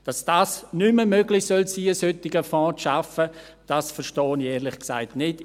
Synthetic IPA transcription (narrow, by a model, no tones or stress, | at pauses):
d̥ɑsd̥aːsnyməmøɡlɪxsœlsiːəshʏtːɪɡəfɔ̃ːt͡sʃafə | d̥aːsfəɾʃtɔːnjɛːɾlɪχksaɪtnɪd